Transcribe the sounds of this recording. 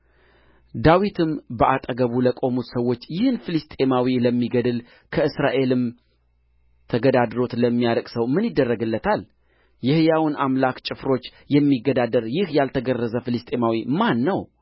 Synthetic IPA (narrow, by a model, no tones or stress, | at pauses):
d̪awit̪ʰɨmbəʔat̪ʼəɡəβuləkʼo̞mut̪səwːo̞t͡ʃːjɪhɨnfilɨst̪ʼe̞mawiləmːiɡəd̪ɨl | kʰəɨsɾaʔe̞lɨm | t̪ʰəɡəd̪ad̪ɾo̞t̪ləmːijaɾəkʼsəwmɨnjɪd̪ːərːəɡɨlːət̪ʰal | jɪhjawʊnʔamlakt͡ʃʼɪfɾo̞t͡ʃː | jɛmːiɡːəd̪ad̪əɾjɪhjalt̪ʰəɡərːəzəfɨlɨst̪ʼe̞mawimanːəw